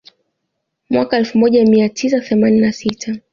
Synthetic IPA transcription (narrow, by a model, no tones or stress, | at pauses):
mwʔakaɛlfumɔʄamiatʰis̬aθɛmaninasitʰa